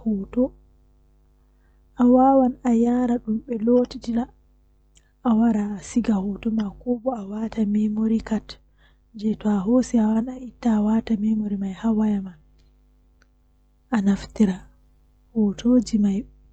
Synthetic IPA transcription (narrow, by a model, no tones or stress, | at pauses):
hutɔ | ʔawawanajaːɾaɗumɓɛlotitila | ʔːwaɾaːsiɡahɔtɔmakɔɓɔawatamemoɾikat | d͡ʒɛtɔaɦosiawanaitːaːwatamemoɾimajhawajama | ʔanaftiɾa | hotʰod͡ʒimaj